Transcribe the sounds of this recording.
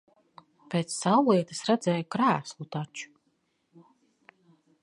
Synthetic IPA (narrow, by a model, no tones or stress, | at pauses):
pʲeːt̪sːawlˠiɛt̪ɨ̥sɾad̪zɛjukɾæːslˠut̪at͡ʃu̥